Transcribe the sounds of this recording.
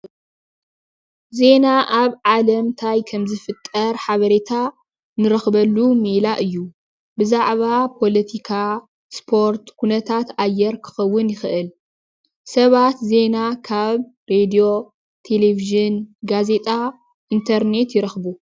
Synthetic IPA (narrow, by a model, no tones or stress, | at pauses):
ze̞naʔaβʕalɐmt̪ʰajkʰɐmzɨfɨt̪ʼːɐɾħaβɐɾet̪ʰa | nɨɾɐxbɐlːumelaʔɨjːu | bɨzaʕβapʰo̞lɐt̪ʰikʰa | spʰo̞ɾt̪kʰunɐt̪ʰat̪ajːɛɾkʰɨ̥xɐwːʊnjɪxɨʔɨl | sɐβat̪ze̞nakʰaβɾed̪io | t̪ʰe̞leviʒɨnɡaze̞t̪ʼa | ʔint̪ʰɐɾne̞t̪jɪɾɐxbu